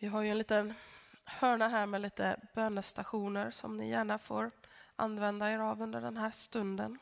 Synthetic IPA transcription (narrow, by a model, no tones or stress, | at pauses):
vɪɦaɾjɵɛnliːt̪ənhœːɳaɦæːɾmɛliːt̪ə̰b̥øːnəst̪aɧuːnəɾsɔ̰mnɪ̰jæːɳafo̰ːɾʔa̰nːvɛnd̪aeːɾavɵnd̪əɖɛnɦæːɾst̪ɵnd̪ən